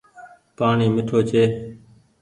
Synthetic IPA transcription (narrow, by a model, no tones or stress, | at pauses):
paːɳiːmɪʈʰoːt͡ʃʰeː